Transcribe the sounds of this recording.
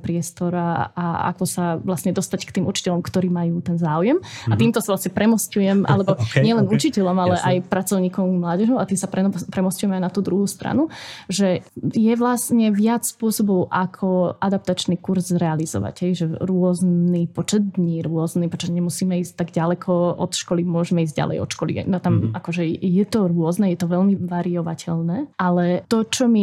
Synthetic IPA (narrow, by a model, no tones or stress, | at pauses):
pɾɪɛst̪ɔɾaaa̰kɔsaʋlasɲɛd̪ɔst̪ackt̪iːmut͡ʃi̥cɛʎɔmkt̪ɔɾiːmajuːt̪ɛnzaːujɛmat̪iːmt̪ɔsavlasɲɛpɾɛmɔscujɛmʔa̰lɛbɔɲɪɛlɛnut͡ʃicɛʎɔmalɛʔajpɾat͡sɔʊɲiːkɔʊɡmlaːɟɛʒɔʊat̪iːsapɾɛpɾɛmɔscujɛmɛajnat̪uːd̪ɾuɦuːst̪ɾa̰nuʒɛjɛʋlasɲɛʋɪat͡sspʊɔsɔbɔʊʔakʰɔʔad̪ap̚t̪at͡ʃniːkuɾzzɾɛalizɔ̰ʋa̰ɟɦɛjʒɛɾʊɔznipɔt͡ʃɛd̪̚d̪ɲiɾʊɔznipɔt͡ʃɛɲɛmusiːmɛiːsc̚t̪aɡɟalɛkʰɔɔt̪ʃkɔlimʊɔʒɛmɛiːzɟɟa̰lɛ̰jɔ̰t̪ʃkɔlḭnɔt̪amakɔʒɛjɛt̪ɔɾʊɔznɛjɛt̪ɔʋɛlmiʋaɾiɔʋacʰɛʎnɛːʔalɛt̪ɔt͡ʃɔmi